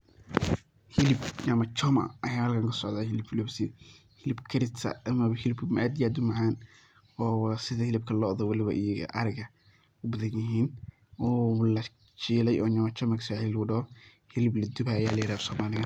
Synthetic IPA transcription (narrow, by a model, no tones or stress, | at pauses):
hɪlɪbɲamɐt͡ʃɔmɐ̰ɐjaːhɐlkʰaːŋkʰɐsɔʕðaːhɪlɪbflɔbsɪ | hɪlɪbkʰɐɾɪt̪sɐ̰ʔɐmɐβɐhɪlɪbkʰmaːd̪jaːd̪ʊmɐʕaːn | ɔːwsɪðɐhɪlɪb̚kʰɐlɔːʔðɔwɐlɪβɐ̰ʔij̰ʔɐ̰ɾɪɣɐ | ʊbɐðɐnjɪɦiːn | ɔːlɐ | t͡ʃiːlɛjʔɔːɲaːmɐt͡ʃɔmɐkʰɐ̥saʕɪllɣʊɖɐhɔ | hɪlɪblɐd̪ʊbajaːlɐjɪɾaːfsɔːmaːlɪɣɐ